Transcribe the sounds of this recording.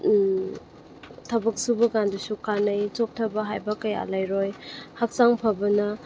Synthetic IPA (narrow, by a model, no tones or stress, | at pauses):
tʰɐbɐk̚subɐɡandusukʰanajt͡ʃok̚tʰɐbɐɦajbɐkaja̰lajɾojhak̚saŋpʰɐbɐnɐ